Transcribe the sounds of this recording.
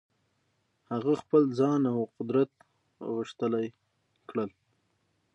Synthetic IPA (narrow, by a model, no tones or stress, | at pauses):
haɣaxpəld͡zɑnawqʊd̪ɾat̪ | ɣəʂt̪əlaj | kɽəl